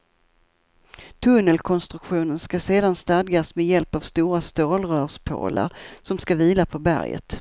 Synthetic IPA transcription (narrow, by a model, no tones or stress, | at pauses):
t̪ʰɵnːəlkʰɔnst̪ɾɵkɧuːnənskaseːd̪anst̪ad̪ɡasmɛjɛlpavst̪uːɾast̪oːlɾœːʂpʰo̰ːla̰ɾsɔmskaviːlapʰɔbæ̰ɾjə̰t̪